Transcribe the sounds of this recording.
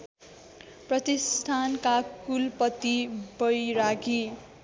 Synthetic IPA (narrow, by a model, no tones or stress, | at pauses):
prʌt̪ist̪ʰankakulpʌt̪ibʌjɾaɡi